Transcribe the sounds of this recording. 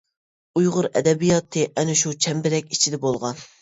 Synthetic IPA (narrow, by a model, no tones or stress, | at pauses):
ujʁʊɾɛ̰d̪ɛbijɑt̪ʰɨʔɛnɪʃut͡ʃʰɛmbɪɾɛkʲi̥t͡ʃʰid̪ɛbolˠʁɑn